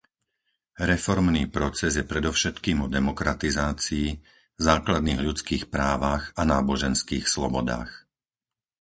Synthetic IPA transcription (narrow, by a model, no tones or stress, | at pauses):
ɾɛfɔɾmniːpɾɔt͡sɛzjɛpɾɛd̪ɔʊʃɛt̪kiːmɔd̪ɛmɔkɾat̪izaːt͡siː | zaːklad̪niːɣʎut͡skiːxpɾaːʋaxanaːbɔʒɛnskiːxslɔ̰bɔd̪a̰ːx